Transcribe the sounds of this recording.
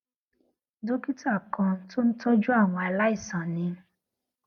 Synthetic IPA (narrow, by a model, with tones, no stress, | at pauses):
do˦ki˦tu˦a˦˨kã˧to˦n̩˦to˦d͡ʒu˦a˦˨w̃ɔ̃˧a˧la˦i˦˨sã˨nĩ˧